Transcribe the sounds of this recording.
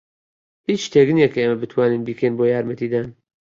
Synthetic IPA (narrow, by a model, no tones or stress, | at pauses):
hiːt͡ʃt̪ʰeːknijɛkʰɛeːmɐbɨt̪ʰwaːniːnbiːkʰenboːjaːɾmɐt̪iːd̪aːn